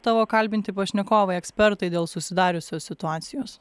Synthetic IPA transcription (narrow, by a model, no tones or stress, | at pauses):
t̪ɑʋoːkɐlʲbʲɪnʲt̪ʲɪpɐʃʲnʲɛkoːʋɐɪɛksʲpʲɛɾt̪ɐɪd̪ʲeːlˠsʊsʲɪd̪ɑːɾʲʊsʲoːsːʲɪt̪ʊɑːt̪sʲɪjoːs